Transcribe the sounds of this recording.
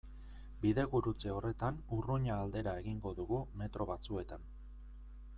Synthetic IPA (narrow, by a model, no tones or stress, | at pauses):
biðe̞ɣuɾut͡se̞o̞re̞t̪anuruɲaːld̪e̞ɾae̞ɣiŋɡo̞ðuɣume̞t̪ɾʔo̞βat͡sue̞t̪an